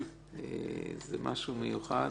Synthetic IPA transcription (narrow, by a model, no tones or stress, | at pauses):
ezemʔa̰ʃumejuχa